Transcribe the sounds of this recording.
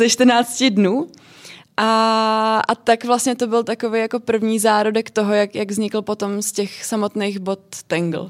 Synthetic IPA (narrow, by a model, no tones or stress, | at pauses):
zɛʃt̪rnaːt͡scɪdnuː | ʔa | at̪akvlastɲɛt̪o̞bɪlt̪akovejako̞pr̩vɲiːzaːɾodɛkt̪oɦo̞jakjaɡvzɲɪkl̩po̞t̪o̞mscɛxsamot̪nejxbo̞t̪ːɛŋɡl̩